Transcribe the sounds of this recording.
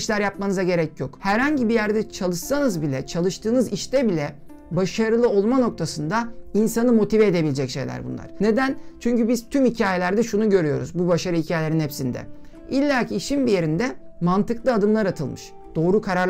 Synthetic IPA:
ʃlʲæɾjap̚manɯzaɟe̞ɾɛcjokhæɾhaɲɟibijæɾd̪ɛt͡ʃʰalˠɯʃsanɯzbilʲɛt͡ʃʰalˠɯʃt̪ʰɯːnɯziʃt̪ɛbilʲɛ | baʃaɾɯlˠɯo̞lˠmano̞k̚t̪ʰasɯnd̪ainsanɯmo̞t̪ʰivɛed̪e̞bilʲed͡ʒɛcʃe̞̰jlʲæ̰ɾbṵnlˠa̰ɾ̥ne̞d̪ænt͡ʃʰyɲcybiz̥t̪ʰymhicʰaːjelʲæɾd̪ɛʃunuɟø̞ɾyjo̞ɾṵzbubaʃaɾɯicʰaːjelʲeɾinhɛpsind̪ɛ̰ | ilʲːaːcʰiːʃinbije̞ɾind̪ɛmant̪ʰɯklˠɯad̪ɯmlˠaɾat̪ʰɯlˠmɯʃ | d̪̥o̞ːɾukʰaɾaɾ

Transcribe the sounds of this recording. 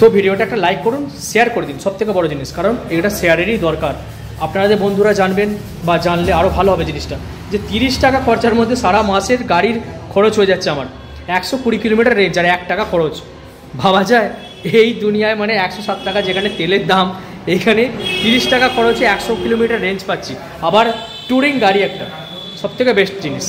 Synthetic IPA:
t̪obʱiɖioʈaɛkʈalajkːoɾunʃejaɾkoɾed̪inʃɔb̚t̪ʰek̬ebɔɽod͡ʑiniʃkaɾoneʈaʃeaɾeɾid̪ɔɾkaɾ | apnaɾad̪eɾbond̪ʱuɾad͡ʑanben | bad͡ʑanleaɾobʱaloɦɔbed͡ʑiniʃʈa | d͡ʑet̪iɾiʃʈakakʰɔɾt͡ɕaɾmod̪ʱːeʃaɾamaʃeɾɡaɽiɾkʰɔɽot͡ɕɦojed͡ʑatːɕʰeama̰ɾ | ɛkʃokuɽikilomiʈaɾːent͡ɕaɾɛk̚ʈakakʰɔɽot͡ɕ | bʱabad͡ʑae | ejd̪unijaemaneɛkʃoʃat̪ʈakad͡ʑekʰanet̪eleɾd̪am | ejkʰanet̪iɾiʃʈakakʰɔɽot͡ɕeɛkʃokilomiʈaɾːeɲt͡ɕpatːɕʰi | abaɾ | ʈuɾiŋɡaɽiɛk̚ʈa̰ | ʃɔb̚t̪ʰekebeʃd͡ʑiniʃ

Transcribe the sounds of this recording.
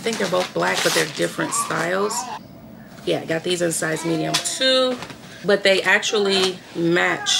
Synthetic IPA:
θɪ̃ŋk̚ðə˞boʊθb̥læk̚b̥ʌt̪̚ðə˞dɪfɹɨ̃ntstaɪlˠz̥ | jæɡɑt̪̚ðizɨ̃nsaɪzmiɾiɨ̃mtʰu | b̥ʌt̪̚ðeɪʔæk̚t͡ʃul̩ˠi | mæt͡ʃ

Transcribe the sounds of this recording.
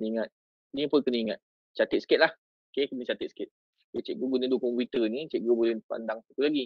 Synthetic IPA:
niŋat̪̚ | nipʊnkəniiŋat̪̚ | t͡ʃat̪ɪt̪̚sə̥kɛt̪̚lah | okekənit͡ʃat̪ɪt̪̚sə̥kɛt̪̚ | bət͡ʃeʔ̚ɡoɡunədukɔmpit̪ənĩt͡ʃeʔ̚ɡobulepa̰ndaŋpuk̪ulaɡi

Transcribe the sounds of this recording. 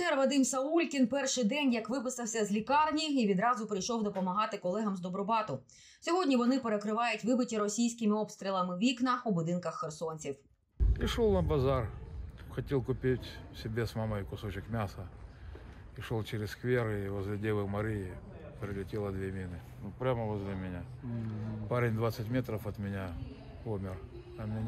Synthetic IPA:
ɛrʋɐd̪ɪmsɐulʲkʲinpɛrʃɪjd̪ɛnʲjɐkʋɪpɪsɐwsʲɐzʲlʲikɑrnʲiiʋʲid̪ɾɑzʊpɾɪjʃɔwd̪ɔpɔmɐɦɑt̪ɪkɔlˠɛɦɐmzd̪ɔbɾɔbɑt̪ʊ | sʲɔɦɔdʲnʲiʋɔnɪpeɾekɾɪʋɑjʊtʲʋɪbɪtʲiɾɔsʲijsʲkɪmɪɔpst̪ʲɾʲilˠɐmɪʋʲiknɐubʊd̪ɪnkɐxːersɔnʲt͡sʲiw | iʂɔlˠnɐbɐzarxɐtʲelˠkʊpʲetʲsʲɪbʲesmaməjʊkʊsot͡ɕɪkmʲasə | iʂolˠt͡ʃeɾʲɪsskʋʲerɪvəzlʲɪdʲevɨmɐɾʲijɪ | pɾʲɪlʲɪtʲelˠɐd̪ʋʲemʲinɨ | nupɾʲamɐvɔzlʲɪmʲɪnʲa | paɾʲɪnʲd̪ʋat̪sətʲmʲet̪ɾəfɐt̪mʲɪnʲa | umʲɪr | ɐmʲɪ

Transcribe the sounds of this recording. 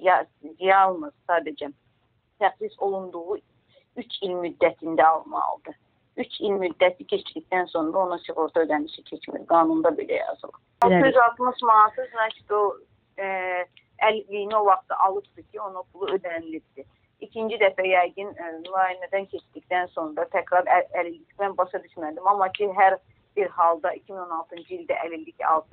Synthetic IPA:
jɑ | zijɑlˠmɯzsɑːd̪æd͡ʒɛ | t̪ʰæxsisolˠund̪uʁu | yt͡ʃʰilʲmyd̪ːæt̪ʰind̪æɑlˠmɑ̰lˠd̪ɯ | yt͡ʃʰilmyd̪ːæt̪ʰicʰe̞t͡ʃd̪icʲt̪ænso̞nɾɑo̞nɑsiɣuɾt̪ʰuød̪æniʃɛcʰet͡ʃʰmḭɾɡɑːnund̪ɑbelæ̰jɑ̰zɯ̰lˠɯ̰ | oyzɑlˠt̪mɯʃmɑsɯznɑt͡ʃʰi̥d̪o | ælilijnio̞vɑχt̪ɑʔɑlˠɯpd̪ɯcʰio̞nopʰulˠuø̞d̪ænilip̚d̪̥i | icʰind͡ʒid̪æfæjɑjɡɯnnlɑːjinæd̪æncʰe̞t͡ʃd̪icʲt̪ænso̞nɾɑt̪ʰækɾɑɾæælilːicmænbɑʃɑd̪yʃmæd̪imɑmːɑcʰiɦæɾ | b̥iɾhɑlˠd̪ɑicʰimino̞nɑlˠt̪ʰɯnd͡ʒɯilʲd̪æʔælild̪icʰɑ̰lˠt̪ɯ

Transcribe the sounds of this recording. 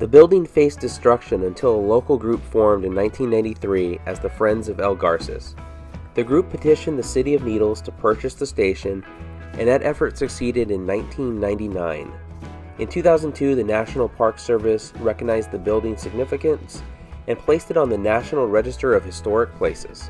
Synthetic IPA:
ðɨbɪlˠdɪ̃ŋfeɪsd̥ɨstɹ̥ʌkʃɨ̃nə̃ntʰɪlˠəloʊkl̩ˠɡɹʉpfɔɹmdɨ̃nːãɪ̃ntʰĩnːãɪ̃ntiθɹiʔɨzðəfɹɛ̃ndzʌvɛlˠɡɑɹsɨ̰s | ðɨɡɹʉpʰɨtʰɪʃɨ̃nðɨsɪɾiʌvniɾl̩ˠz̥tʰəpʰɜ˞t͡ʃɨsðəsteɪʃɨ̃n | ʔɨ̃nɨɾʔɛfə˞tsɨksiɾɨɾɨ̃nːãɪ̃ntʰĩnːãɪ̃ntinãɪ̃n | ɨ̃ntʰʉθaʊzn̩tʰʉðɨnæʃn̩l̩ˠpʰɑɹksɜ˞vɨsɹɛkəɡ̚naɪzðɨbɪlˠdɪ̃ŋsɨɡ̚nɪfɨkɨ̃nsʔɨ̃npʰl̥eɪstɨɾn̩ðɨnæʃn̩l̩ˠɹɛd͡ʒɨstə˞ʌv̥hɨstɔɹɨk̚pʰl̥eɪsɨ̰z̥

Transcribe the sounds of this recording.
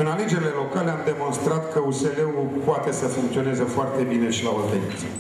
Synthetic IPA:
ɨnaled͡ʒe̞ɾile̞lo̞kale̞amd̪emo̞nst̪ɾat̪kəuse̞leupoat̪e̞səfuŋkt̪sio̞nezefoart̪e̞bine̞ʃilaovenḭt̪s

